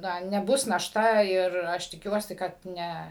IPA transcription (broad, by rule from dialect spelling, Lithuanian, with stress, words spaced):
ˈnɐ nʲɛˈbʊs nɐʃˈtɐ ɪr ˈɐʃ tʲɪˈkʲuɔsʲɪ kɐt ˈnʲɛ